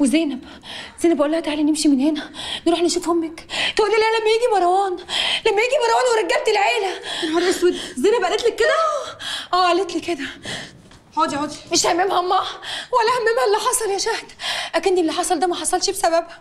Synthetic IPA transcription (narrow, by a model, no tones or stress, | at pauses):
wezenæb | zeːnæbʔulːæhæt̪aʕalænːemʃimenhenænɾuːħneʃufhomːækt̪ʔulːilæælæmːæjiːɡimɑɾˤwɑːnlæmːæjiːɡimɑɾˤɑwɑːnweɾˤæɡːæb̚t̪elʕeːlæwɑɾˤħeswed̪zeːnæbʔælet̪lækːed̪æʔæːʕalet̪liked̪æ | ʕoːd̪iʕoːd̪imeʃhæmːemhæmːæwælːæhæmːemhælːiħɑsˤɑljæʃæhd̪ʔækænd̪ielːiħɑsˤɑld̪æmæħɑsˤɑlʃbesæbæb